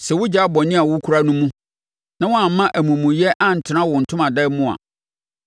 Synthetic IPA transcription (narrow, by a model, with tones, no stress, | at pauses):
sɛ˨wʊ˦d͡ʑa˨˦bɔ˨nɪ̃˦a˨wʊ˦kʰu˦ɾa˦nũ˦mũ˦ | nã˦wɔ̃˦a˨m˨mːã˦ʔæ˨mũ˨mũ˨jɛ˦ʔa˦n̩˨tʰɪ˨nã˦wʊ˨n̩˨tʰʊ̃˦mã˨dɛ˦mʊ̃˦˨a̰˨